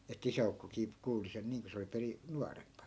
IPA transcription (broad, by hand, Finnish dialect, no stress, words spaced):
etːæ̆ isæukːokiː kuːli sen niːŋ ko se oli peri nuɑrempɑ